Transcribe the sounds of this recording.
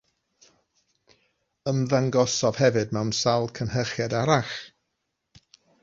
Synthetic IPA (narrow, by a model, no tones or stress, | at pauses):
əmðaŋɡɔsɔv̥hɛvɨd̚mɛwnsalˠkʰənhəχjadaɾaχ